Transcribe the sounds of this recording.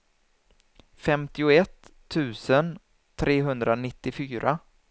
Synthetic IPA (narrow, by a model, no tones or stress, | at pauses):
fɛmt̪ɪʊɛt̪ʰː | ʉ̟ːsən | t̪ʰɾʔeːɦɵnd̪ɾanɪt̪ːɪfyːɾʔa